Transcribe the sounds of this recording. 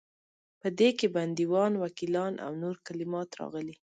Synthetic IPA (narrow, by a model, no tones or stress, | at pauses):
pəd̪ekeband̪iwɑnwakilɑnʔa̰wnoɾkalɪmɑt̪ɾɑ̰ɣəli